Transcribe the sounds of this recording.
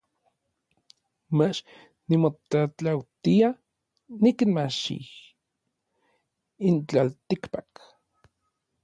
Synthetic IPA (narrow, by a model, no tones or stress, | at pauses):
mat͡ʃ | nimot̪at͡ɬawt̪ia | nikinmaʃḭ | int͡ɬalt̪ikpak